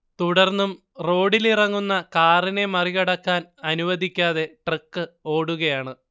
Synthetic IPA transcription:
t̪uɽɐrnːum | ro̞ːɽilirɐŋːunːɐkaːrine̞mɐriɣɐɽɐkːaːnɐnuʋɐd̪ikʲːaːðe̞ʈrɨkːɨo̞ːɽuɣɐjaːɳɨ

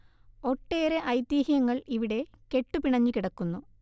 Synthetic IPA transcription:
o̞ʈːe̞ːɾeʔɐjd̪iːhijɐŋːɐɭiʋiɽe̞ke̞ʈːupiɳɐɲːikiɽɐkːunːu

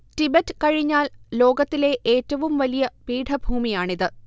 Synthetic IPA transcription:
tibetːɨ̥kɐɻiɲːaːllo̞ːɡɐt̪ːile̞ʔeːtːɐʋumʋɐlijɐpiːʈʰɐbʱuːmijaːɳiðɨ

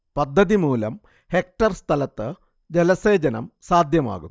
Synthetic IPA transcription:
pɐd̪ʱːɐðimuːlɐm | he̞k̚ʈɐrst̪ʰɐlɐt̪ːɨ | d͡ʑelɐse̞ːd͡ʑɐnɐmsaːd̪ʱjɐma̰ːɣṵ

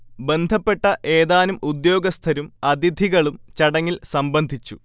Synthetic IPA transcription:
be̞nd̪ʱɐpːe̞ʈːɐʔe̞ːðaːnumud̪jo̞ːɡɐst̪ʰɐɾumɐd̪id̪ʱiɣɐɭumt͡ɕɐɽɐŋːilsɐmbɐnd̪ʱit͡ɕːu

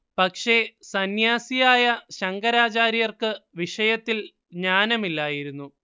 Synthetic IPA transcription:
pɐkʂe̞sɐnjaːsijaːjɐɕɐŋɡɐɾaːt͡ɕaːɾijɐrkɨʋiʂɐjɐt̪ːil | ɲaːnɐmilːaːjiɾunːu

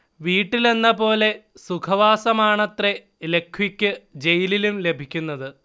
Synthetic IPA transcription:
ʋiːʈːile̞nːɐpo̞ːle̞sukʰɐʋaːsɐmaːɳɐt̪re | le̞kʰːwikʲːɨd͡ʑe̞jililumle̞bʱikʲːunːɐðɨ

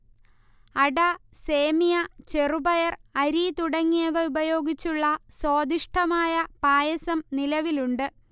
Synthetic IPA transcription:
ɐɽɐse̞ːmijɐt͡ɕe̞rubɐjɐrɐɾit̪uɽɐŋːeːʋɐubɐjo̞ːɡit͡ɕːuɭːɐso̞ːd̪iʂʈʰɐmaːjɐpaːjɐsɐmnilɐʋiluɳɖɨ

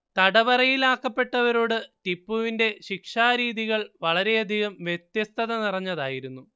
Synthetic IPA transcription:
t̪ɐɽɐʋɐrɐjilaːkːɐpːe̞ʈːɐʋɐɾo̞ːɽɨtipːuʋinde̞ɕikʂaːɾiːðiɣɐɭʋɐɭɐɾe̞ɐd̪ʱiɣɐmʋjet̪jɐst̪ʰɐðɐnirɐɲːɐðaːjiɾunːu

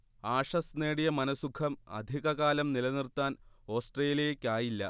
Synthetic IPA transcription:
aːʂɐsneːɽijɐmɐnɐsukʰɐmɐ̰d̪ʱiɣɐɣaːlɐmnilɐnirt̪aːno̞ːsʈreːlɐjekʲːaːjilːɐ̰

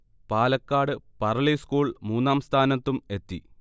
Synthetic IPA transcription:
paːlɐkːaːɽɨpɐrɐɭiskuːɭmuːnːaːmst̪ʰaːnɐt̪ːume̞t̪ːḭ

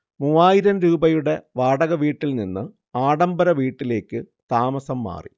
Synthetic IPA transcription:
muʋaːjiɾɐmɾuːbɐjuɽe̞ʋaːɽɐɣɐʋiːʈːilninːɨ | aːɽɐmbɐɾɐʋiːʈːile̞ːkːɨ | t̪aːmɐsɐmːa̰ːrḭ

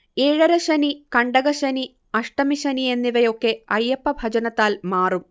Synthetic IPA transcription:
eːɻɐɾɐɕɐnikɐɳɖɐɣɐɕɐni | ɐʂʈɐmiɕɐnie̞nːiʋɐjo̞kːe̞ɐjːɐpːɐbʱɐd͡ʑɐnɐt̪ːaːlmaːrum

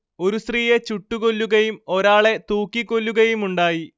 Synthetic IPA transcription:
o̞ɾusriːjet͡ɕuʈːuɣo̞lːuɣɐjumo̞ɾaːɭe̞t̪uːkːikːo̞lːuɣɐjumuɳɖaːji

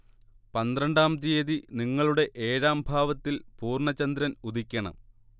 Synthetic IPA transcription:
pɐnd̪rɐɳɖaːmt̪ijeðiniŋːɐɭuɽe̞ʔeːɾaːmbʱaːʋɐt̪ːilpuːrɳɐt͡ɕːɐnd̪ɾɐnud̪ʱikʲːɐɳɐ̰m

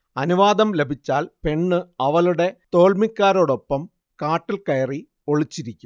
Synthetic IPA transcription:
ɐnuʋaːd̪ɐmle̞bʱit͡ɕːaːlpe̞ɳːɨɐʋɐluɽe̞t̪o̞ːɭmikʲːaːɾo̞ːɽo̞pːɐm | kaːʈːilkɐjɐri | oɭit͡ɕːiɾikʲːum

